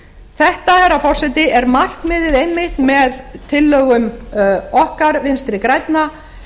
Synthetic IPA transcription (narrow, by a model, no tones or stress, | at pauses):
θɛht̪aɛɾafɔr̥sɛt̪ɪʔɛɾmar̥kmɪːðɪðejmːɪht̪nmɛðt̪ʰɪlːœːɣʏm | ɔhkaɾvɪnst̪ɾɪkɾajt̪na